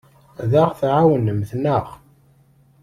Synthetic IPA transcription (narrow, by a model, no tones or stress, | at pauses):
ðaʁθʕawənəmθnəʁ